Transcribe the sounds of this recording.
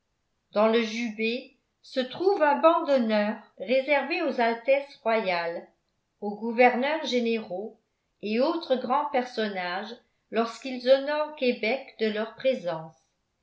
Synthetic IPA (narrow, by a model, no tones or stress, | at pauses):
d̪ɑ̃ləʒybe | sət̪χuvɛ̃bɑ̃d̪ɔnœːʁːezɛʁveozalt̪ɛsʁwajal | oɡuvɛʁnœʁʒeneʁo | eot̪χəɡʁɑ̃pɛʁsɔnaʒ | lɔʁskilzɔnɔʁkʲebɛkd̪əlœʁpχezɑ̃s